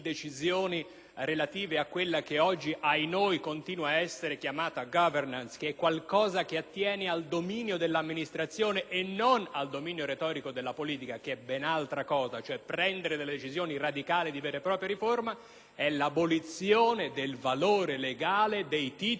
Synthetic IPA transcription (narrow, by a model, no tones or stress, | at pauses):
d̪et͡ʃizjoːni | ɾelat̪iːveakːwelːakeɔd͡ʒːiʔajnojkont̪iːnwaːɛsːeɾekjamaːt̪aɡɔvernanskeɛkːwalkɔːzak̟eat̪ːjɛːneald̪ominjod̪elːamːinist̪ɾat̪sːjoːneʔenːonald̪omiːnjoɾet̪ɔːɾikod̪elːapoliːt̪ikakeɛbɛnalt̪ɾakɔːzat͡ʃoɛpːɾɛnd̪eɾed̪eled̪et͡ʃizjoːnirad̪ikaːlid̪ivɛːɾepɾɔːpɾjaɾiforma | ɛlabolit̪sjoːned̪elvaloːɾeleɡaːled̪ejt̪iː